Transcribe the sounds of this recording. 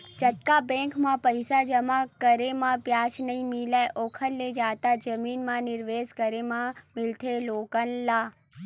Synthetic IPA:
t͡ʃɐt̪kabẽːkmãpɐɪsad͡ʒɐmãkɐɾemãpjaːt͡ʃnɐĩmɪlaːʔoːkʰəllːed͡ʒaːt̪ad͡ʒɐmiːnmãnɪɾʋeːskɐɾemãmɪlt̪ʰeloːkənlaː

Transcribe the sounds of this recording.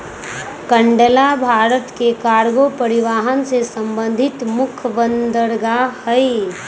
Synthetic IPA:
kəɳɖəlabʱaːɾət̪kekaːɾɡopəɾɪʋaːɦənsesə̃mbə̃nd̪ʱɪt̪mʊkʰbənd̪əɾɡahəi

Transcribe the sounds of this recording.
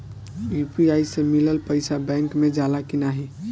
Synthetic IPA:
jupiajsẽmiləlpəɪsabɛ̃ŋkmed͡ʒalakinaɦi

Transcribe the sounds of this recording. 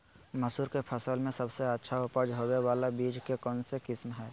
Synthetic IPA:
məsuːɾkepʰəsəlmẽsəbseətːʃʰaʊpəd͡ʒɦowewaːlabiːd͡ʒkekɔːnsekɪsmɦɛː

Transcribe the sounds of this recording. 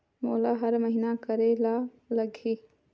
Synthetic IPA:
moːlaɦəɾməɦinakəɾela | ləɡʱi

